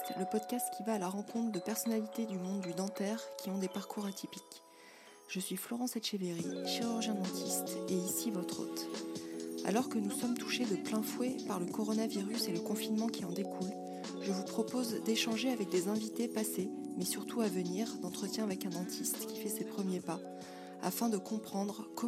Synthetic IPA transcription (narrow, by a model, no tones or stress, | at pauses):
ɛləpɔd̪kast̪kʲʰivaːlaʁɑ̃kɔ̃t̪χd̪əpɛʁsɔnalit̪ed̪ymɔ̃d̪ːyd̪ɑ̃t̪ɛʁkʲiɔ̃d̪epaʁkʰuʁat̪ʰipik | ʒ̥əsɥiflɔʁɑ̃sɛt̪ʃeveʁiʃiʁyʁʒjɛ̃d̪ɑ̃t̪ʰist̪eisivɔt̪χo̰t̪ | a̰lɔʁkənusɔmt̪u̥ʃed̪əplɛ̃fwɛpaʁləkɔʁɔnaviʁyseləkɔ̃finmɑ̃kʲʰiɑ̃d̪ekʰul | ʒəvupχɔpozd̪eʃɑ̃ʒeavɛk̚d̪ezɛ̃vit̪epasemɛsyʁt̪ʰuavəniʁd̪ɑ̃t̪χət̪jɛ̃avɛkɛ̃d̪ɑ̃t̪ʰist̪kʲi̥fɛsepχəmjepa | a̰fɛ̃d̪əkɔ̃pχɑ̃d̪ʁkɔ